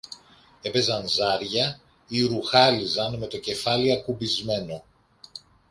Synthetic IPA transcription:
e̞pe̞zɐnzɐɾʝɐ | iɾuxɐlizɐnme̞t̪o̞ce̞fɐliɐkubizme̞no̞

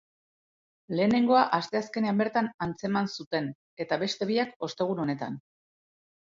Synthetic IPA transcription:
le̞ːne̞ŋɡo̞aʔast̪e̞aske̞ne̞ambe̞ɾt̪anant͡se̞mansut̪e̞n | e̞t̪aβe̞st̪e̞βiako̞st̪e̞ɣ̞uno̞ne̞t̪a̰n

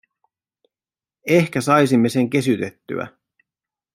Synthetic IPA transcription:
e̞hkæsɑjsimːe̞se̞ŋke̞syt̪e̞t̪ːy̰æ̰

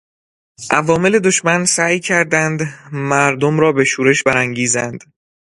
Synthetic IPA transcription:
ʔævɒːme̞le̞d̪o̞ʃmænsæːjcʰæɾd̪ænd̪mæɾd̪omɾɒːbe̞ʃuːɾe̞ʃbæɾæŋɟiːzænd̪̥

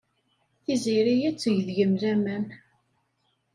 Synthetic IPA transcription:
θiziɾijæt͡sːʝðʝəmðæmæn

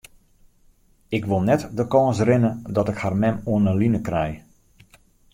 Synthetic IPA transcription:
ɪkʋolˠnɛtdəkɔːsrɪnədɔtɪkharmɛmoənəlinəkrɛj

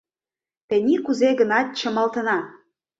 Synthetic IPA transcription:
t̪ĕnʲikuzeɣənɑt̪̚t͡ɕɤ̆mɑlt̪ə̆nɑ

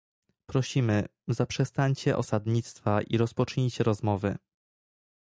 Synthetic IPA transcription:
pɾɔɕimɘzapʂɛst̪aɲt͡ɕɛʔɔ̰sad̪ɲit̪st̪faʔiɾɔspɔt͡ʂɲejt͡ɕɛɾɔzmɔvɘ̰

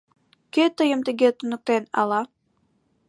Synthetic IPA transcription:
ket̪ːɤjɤ̆mt̪iɡet̪unuk̚t̪enɑ̰lˠɑ

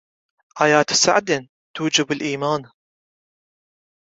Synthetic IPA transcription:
ʔaːjaːt̪sa̰ʕd̪ɪn | t̪uːd͡ʒɪbɪlʔiːmaːn

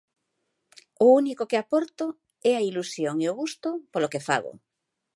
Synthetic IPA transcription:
ʊunikokeapɔɾt̪o | ɛailusjoŋeoɣust̪opolokefa̰ɣo̰

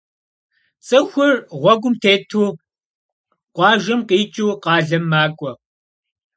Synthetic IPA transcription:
t͡sʼɨxʷʊrʁʷɔɡʷʊmtʰeːtʰuː | qʷɑːʒɐmqiːt͡ʃʼuːqɑːɮɐmːaːkʷʼɔ

